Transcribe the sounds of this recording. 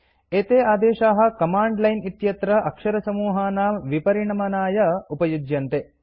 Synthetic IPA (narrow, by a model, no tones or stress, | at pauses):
eːt̪eːaːd̪eːʃaːɦɐ̆kɐmaːɳɖlɐjnit̪jɐt̪ɾɐʔɐkʂɐɾɐsɐmuːɦaːnaːmʋipɐɾiɳɐmɐnaːjɐupɐjud͡ʒjɐnt̪e